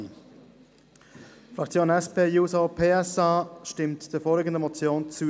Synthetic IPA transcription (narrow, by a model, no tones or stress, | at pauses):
fʁɑkt͡sjoːnɛspeːjuːsopʰeːɛsɑːʃtɪmtd̥əfɔːlɪɡən̩dəmɔt͡sjoːnt͡su